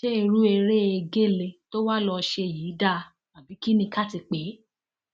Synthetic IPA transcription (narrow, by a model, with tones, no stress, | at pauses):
ʃe˦i˧ɾu˦e˧ɾe˦e˧ɡe˦˨le˧to˦wa˦lɔ˧ʃe˧˨ji˨˦da˦˨˧ | a˨bi˨˦ki˦nĩ˧ka˦ti˧k͡pe˨˦